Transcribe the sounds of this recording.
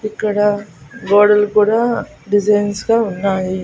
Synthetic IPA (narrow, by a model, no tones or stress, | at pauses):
ikːɐɽɐɡoːɽɐlkuːɽaː | ɖid͡ʒɐjnsɡaːunːaːji